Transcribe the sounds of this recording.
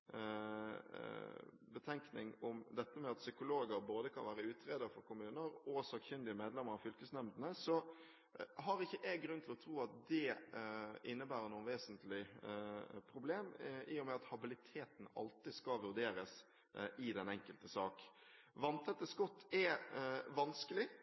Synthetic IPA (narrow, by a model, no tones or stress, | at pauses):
bət̪ʰɛŋknɪ̰ŋʊmd̪ɛt̪ːəmɛɑt̪sʏkʊloːɡəɾboːd̪əkʰɑ̰nʋæːɾəʉːt̪ɾeːd̪əfɔɾkʰʊmʉːnəɾɔsɑɡçʏnd̪ɪəmeːd̪lɛmːəɾɑfʏlkəsnɛmd̪ənəsɔ | ɦɑɾɪçːəʔɛɡɾʉnt̪ʰɪlɔt̪ʰɾuːɑt̪̚d̪ɛ | ʔɪnːəbæːɾənuːnʋeːsənt̪lɪ | pʰɾʊbleːmɪjʊmɛɑt̪hɑbɪlɪt̪ʰeːt̪n̩ɑ̰lt̪ɪskɑʋʉɾd̪eːɾəs | ɪd̪ɛnɛŋkəlt̪əsɑːk | ʋɑnt̪ʰɛt̪ːəskɔt̪ʰːɛʋɑnskəlɪ